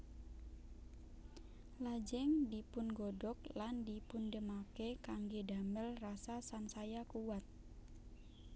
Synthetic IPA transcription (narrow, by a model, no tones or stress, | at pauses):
lad͡ʒɛŋdipʊnɡɔdɔk̚landipundəmakekaŋɡedaməlrasasansajakuwat̪̚